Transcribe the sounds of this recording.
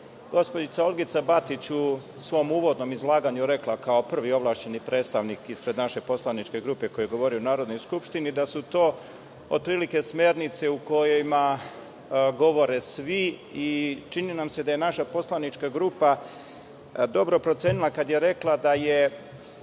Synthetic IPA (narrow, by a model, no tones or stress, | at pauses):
ɡo̞spod͡ʒit̪saolˠɡit̪sabat̪it͡ɕu | sʋo̞muːʋo̞d̪no̞mizlˠaːɡaɲuɾe̞klakao̞pr̩ʋio̞ʋlˠaːʃt͡ɕe̞nipɾet̪st̪aʋnikispɾe̞d̪naʃe̞po̞slanit͡ʃke̞ɡɾupe̞ko̞jeɡo̞ʋoɾiounaːɾo̞d̪no̞jskupʃt̪inid̪asut̪o̞ː | od̪̚pɾiːlike̞sme̞ɾnit̪se̞uko̞jojma | ɡo̞ʋo̞ɾe̞sʋiit͡ʃininamse̞d̪aje̞naʃapo̞slanit͡ʃkaɡɾupa | d̪o̞bɾo̞pɾo̞t̪sjeːnilˠakad̪je̞ɾe̞klˠad̪aje